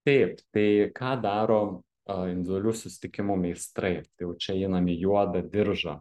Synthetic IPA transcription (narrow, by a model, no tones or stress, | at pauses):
t̪ɐɪpt̪ɐɪkɑːd̪ɑːɾoː | ɐɪnʲd̪ʲʋd̪ʲɛlʲuːsʊsʲɪ̥t̪ʲɪkʲɪmʊmʲɛɪst̪ɾɐɪt̪ɐɪjɛʊt͡ʃʲɛɪnɐmʲɪjuɔd̪ɐd̪ʲɪɾʒɐ̰